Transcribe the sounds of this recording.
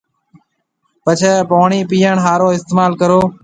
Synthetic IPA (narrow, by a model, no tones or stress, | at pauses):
pət͡ʃʰeːpoːɳiːpiːəɳɦaːɾoːɪst̪eːmaːlkəɾoː